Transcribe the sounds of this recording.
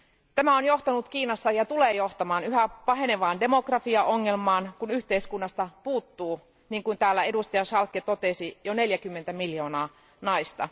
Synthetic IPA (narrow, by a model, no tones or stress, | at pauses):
t̪æmæonjo̞ht̪ɑnut̪kiːnɑsːɑjɑt̪uleːjo̞ht̪ɑmɑːnyɦæpɑɦe̞neʋɑːnde̞mo̞krɑfiɑʔoŋːelmɑːnkunyht̪eiskunːɑst̪ɑpuːt̪ːuː | niːŋkunt̪æːlːæe̞dust̪ɑjɑsɑlkːet̪o̞t̪esijone̞ljækymːent̪æmiljo̞ːnɑː | nɑist̪ɑ̰